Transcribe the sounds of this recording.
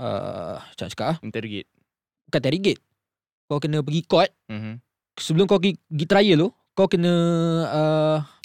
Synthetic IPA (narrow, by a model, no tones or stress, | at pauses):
ʔə̰t͡ʃa̰ʔt͡ʃḁkaʔaht̪ɛɾiɡḭt̪̚ | ukant̪aɾiɡɪt̪̚ | kawkənə̃p̬əɡikɔt̪̩̚m | səbəlʊmkawkiɡiʔt̪ɾajəlu | kawkənə̃ə